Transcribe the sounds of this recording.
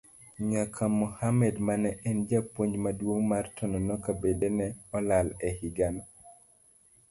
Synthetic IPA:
ɲakʰamɔhamɛdmanɛʔɛnd͡ʒapwoɲd͡ʒmadwoŋmartʰɔnɔnɔkabedenɛɔlalɛhiɡanɔ

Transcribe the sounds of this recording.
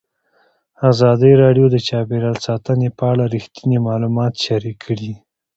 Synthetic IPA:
azɑd̪əjɾɑɖjod̪ət͡ʃɑbeɾalsɑt̪ənepəaɽaɾixt̪inimɑlumɑt̪ʃaɾikʰːɽi

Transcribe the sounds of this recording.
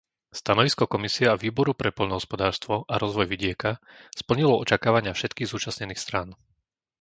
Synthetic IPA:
st̪anɔʋiskɔkɔmisiɛaʋiːbɔɾupɾɛpɔʎnɔɦɔspɔd̪aːɾst̪ʋɔʔaɾɔzʋɔjʋiɟɪɛka | spl̩ɲilɔɔt͡ʃakaːʋaɲɪafʃɛt̪kiːɣzuːt͡ʃasɲɛniːxst̪ɾaːn

